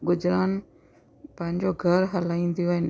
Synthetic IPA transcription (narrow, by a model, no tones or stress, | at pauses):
ɡʊzɾaːn | pɐ̃ɦɪ̃ɲd͡ʑoɡʱɐɾɦɐlaːĩːn̆d̪ijoɪn